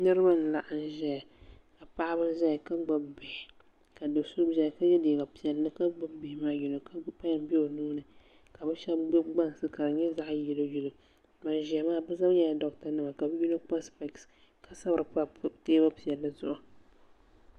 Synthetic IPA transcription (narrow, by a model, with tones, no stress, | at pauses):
nɨ˦ɾɨ˦ba˦n̩˨la˨ʔn̩˦ʒɛ˦a˨ | ka˨pa˦ʔa˦bɨ˦ʒɛ˦jka˦ɡ͡ba˦bbɪ˨hɪ˨ | ka˨do˨su˦bʒɛ˦˨ka˦jɛ˦deː˨ba˨pi˨ɛ˨lːɨ˦ka˦ɡ͡ba˦bbɪ˨hɪ˨maː˦ju˨no˨ka˦pa˦˨m˦bi˦o˨nuː˦nɨ˨ | ka˨bɨ˦ʃɛ˦b̚ɡ͡ba˦ɡ͡ba˦n˨sɨ˦ka˨dɨ˨ɲɛ˦za˦ʔjɛ˨lo˦ju˦lɨ˦ | ma˨n˨ʒi˨ɛ˨maː˦bɨ˦za˦bɲɛ˨a˨dɔ˦k̚ta˨nɨ˦ma˨ka˨bɨ˦ju˦no˦k͡pa˦spɛ˨ks | ka˨sa˦bɨ˨ɾɨ˨a˦teː˦ba˦pi˨ɛ˨lːɨ˦zʊ˦˨ʔʊ˨